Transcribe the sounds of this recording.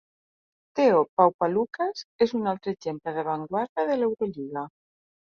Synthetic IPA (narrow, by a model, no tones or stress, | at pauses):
t̪eopawpalukasesunalt̪ɾeʒempleðeβaŋɡwaɾðað̞elewɾoʎiɣa